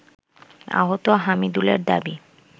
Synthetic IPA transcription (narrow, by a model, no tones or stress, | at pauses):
a̰ɦot̪oɦamid̪ulḛɾd̪a̰bi